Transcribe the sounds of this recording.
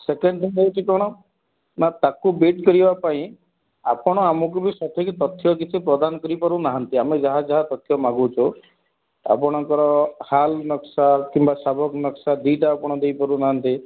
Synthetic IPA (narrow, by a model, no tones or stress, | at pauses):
sekeɳɖʈiŋd̪ewt͡ʃʰikɔɽ̃ɔ | nat̪akubeʈkɔɾibapaĩ | apɔɽ̃ɔamɔk̬ubisɔt̪ʰɔkit̪ɔt̪ʰːjɔkit͡ʃʰipɾɔd̪anɔkɔɾipɔɾunaɦant̪iamed͡ʒaɦad͡ʒaɦat̪ɔt̪ʰjɔmaɡut͡ʃʰɔ | a̰pɔɽ̃ɔŋkɔɾɔhalnɔksakimbasabʱɔknɔksad̪iʈaːpɔɽ̃ɔd̪ejpɔɾunaɦant̪i